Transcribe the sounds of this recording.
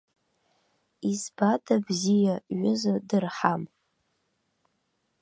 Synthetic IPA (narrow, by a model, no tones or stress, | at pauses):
izbadʰabzijaɥʊzadɨrħam